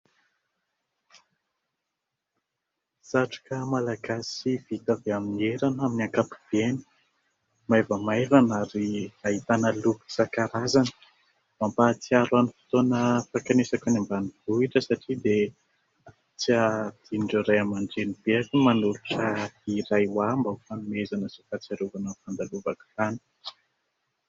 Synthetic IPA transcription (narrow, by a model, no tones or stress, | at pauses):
z̥aʈ͡ʂu̥kamalaɡasiv̥it̪aveaminieɾanaminiaŋkapi̥v̥eni̥ | maevəmaevanaɾiaɦit̪anəlupusakaɾazani̥ | mampat͡siaɾanifi̥t̪onəfakanesakanambaniv̥uiʈ͡ʂəsaʈ͡ʂid̪e | a | t͡siad̪̥iɳɖ͡ʐoɾajamaɳɖ͡ʐenib̥eakimanuɾuʈ͡ʂat̪irajwambafanumezanəsifat͡saɾuvanəfand̪aluvaki̥fani̥